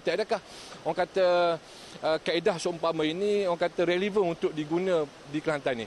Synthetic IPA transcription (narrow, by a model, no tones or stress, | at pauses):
t̪iadakah | ɔŋkat̪ə | əkaidahsompamə̃inĩɔŋkat̪əɾelivənunt̪ʊk̚diɡunə̃ | dikəlant̪ani